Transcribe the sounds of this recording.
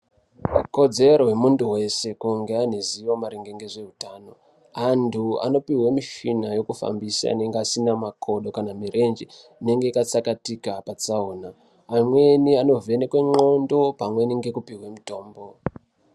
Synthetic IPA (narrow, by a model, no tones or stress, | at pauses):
ko̞d͡ze̞ɾo̞wemunduwe̞se̞kuŋɡe̞aniziwo̞maɾeŋɡe̞ŋɡeʐe̞ɦutaːno̞ | antʰua̰no̞piɦwemiʃinajo̞kufa̰mbisa̰a̰ne̞ŋɡeasinamakʰo̞ɗo̞kanamiɾʔe̞nd͡ʒi | ine̞ŋɡe̞ikat͡sakatikapat͡saoːnaː | mwe̞niano̞venekweŋ͡ǃo̞ndo̞pamwe̞niŋɡe̞kupiɦwemito̞ːmbo̞